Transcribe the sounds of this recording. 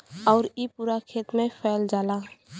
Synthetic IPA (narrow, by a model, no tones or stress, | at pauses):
ɔːʊɾipuːɾakʰeːt̪mẽpʰɛːld͡ʒaːla